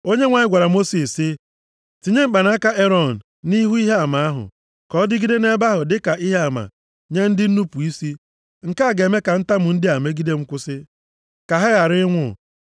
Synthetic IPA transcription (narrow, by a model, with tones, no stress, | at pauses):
o˦ɲe˦ŋʷa˨ɲɪ˦ɡʷa˨ɾa˨mo˦si˨sɪ˦ | ti˨ɲe˦ŋ͡m̩˨k͡pa˨na˦ka˦ʔe˦ɾɔ˨n̩˨ | ni˦ɦu˦i˦ɦe˦a˨ma˨a˦ɦʊ̰˨ | kɔ˨˦dɪ˦ɡi˦de˦ne˦ba˦ɦʊ˨dɪ˦ka˨i˦ɦe˦a˨ma̰˨ | ɲe˦n̩˦dɪ˦n̩˦nu˦pu˨i˦si˦ | ŋ̩˨ka˦˨ɡe˨me˦ka˨n̩˦ta˦mʊ˨n̩˦dɪ˦a˨me˦ɡi˦de˦ŋ͡m̩˦kʷʊ˦sɪ˦ | ka˨ɦa˦ɣa˨ɾɪ˦ŋʷʊ̰˦˨